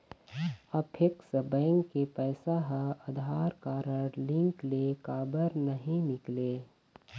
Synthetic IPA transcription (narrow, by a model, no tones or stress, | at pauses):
ɐpʰɪksəbɛ̃ːŋkːepɛːsaɦəɐd̪ʱaːɾkaːɾəɽlɪ̃ŋklekaːbəɾnɐɦĩnɪkleː